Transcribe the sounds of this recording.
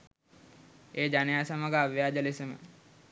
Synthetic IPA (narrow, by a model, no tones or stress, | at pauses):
eːd͡ʒanejaːsamaɡaaʋjaːd͡ʒəlesəmə̰